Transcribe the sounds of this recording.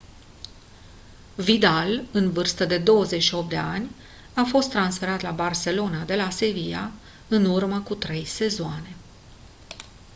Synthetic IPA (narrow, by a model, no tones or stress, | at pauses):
vid̪alɨnvɨrst̪əd̪e̞d̪o̞wəze̞t͡ʃʃio̞pd̪e̞anʲ | afo̞st̪ːɾansfe̞ɾat̪labarse̞lo̞nad̪e̞lase̞vija̰ | ɨnurməkut̪ɾe̞jse̞zoane̞